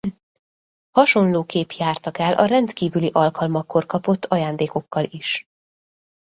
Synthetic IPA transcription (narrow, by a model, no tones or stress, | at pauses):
hɒʃo̞nloːkeːpjaːrt̪ɒkɛlʔɒ̰rɛnt̪kiːvyliʔɒlkɒlmɒkʰːo̞rkɒpo̞t̪ʰːɒjaːnd̪eːko̞kːɒliʃ